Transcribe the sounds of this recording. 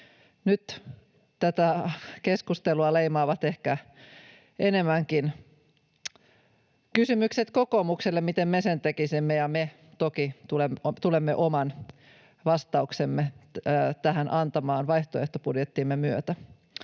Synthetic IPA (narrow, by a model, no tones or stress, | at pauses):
nyt̪ | t̪æt̪ækeskust̪eluɑleimɑːʋɑt̪ehkæ | ene̞mːˑæŋkin | kysymykset̪ko̞ko̞mukselːemit̪emmesent̪ekisimːejɑme | t̪okit̪ulemt̪ulemːeʔomɑn | ʋɑst̪ɑuksemːet̪æɦænʔɑnt̪ɑmɑːnʋɑjht̪oeht̪opudjet̪ːimːemyøt̪æ